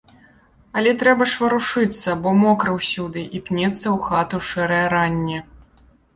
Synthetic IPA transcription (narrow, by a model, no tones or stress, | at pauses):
ɐlʲɛt̪ɾɛbɐʂvɐɾuʂɨt̪sːɐbɔmɔkɾɐwsʲud̪ɨʔipnʲɛt̪sːɐwxat̪uʂɛɾɐjɐɾanʲːɛ